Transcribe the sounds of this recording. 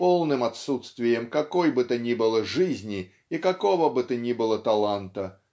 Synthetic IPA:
polˠnɨmɐt̪sut̪st̪vʲɪjəmkɐkojbɨt̪ɨnʲibɨlˠəʐɨzʲnʲɪ | ikɐkovəbɨt̪ɨnʲibɨlˠət̪ɐlˠant̪ə

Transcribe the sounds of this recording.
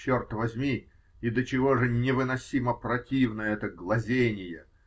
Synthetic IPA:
ort̪vɐzʲmʲi | id̪ət͡ɕɪvo̞ʐɨnʲɪvɨnɐsʲiməprɐtʲivnəəɛt̪əɡlˠɐzʲenʲɪjə

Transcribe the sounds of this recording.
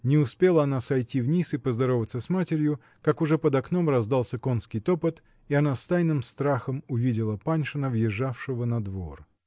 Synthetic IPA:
nʲɪʊspʲe̞lˠəɐnasɐjtʲivnʲisɨpəzd̪ɐɾo̞vət̪səsmatʲɪɾʲjʊ | kakʊʐɛpəd̪ɐkno̞mrɐzd̪alˠsʲəko̞nskʲɪjt̪opət̪ | iɐnast̪ajnɨmst̪ɾaxəmʊvʲidʲɪlˠəpanʲʂɨnəvjɪʐːafʂɨvənɐd̪vo̰r

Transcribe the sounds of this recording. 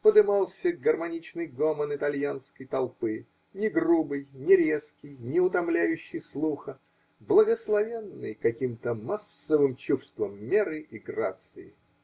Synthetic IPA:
pəd̪ɨmɑlˠsʲəɡərmɐnʲit͡ɕnɨjɡomənɪt̪ɐlʲjanskəjt̪ɐlˠpɨ | nʲɪɡrubɨjnʲɪɾʲe̞skʲɪjnʲɪʊt̪ɐmlʲæjʉɕːɪjslˠuxə | blˠəɡəslˠɐvʲenːɨjkɐkʲimt̪əmasːəvɨmt͡ɕufst̪vəmːʲeɾɨʔiɡra̰t̪sɨɪ̰

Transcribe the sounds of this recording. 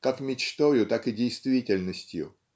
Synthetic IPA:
kakmʲɪt͡ɕt̪ojʊt̪akɨdʲejst̪vʲitʲɪlʲnəsʲtʲjʊ̰

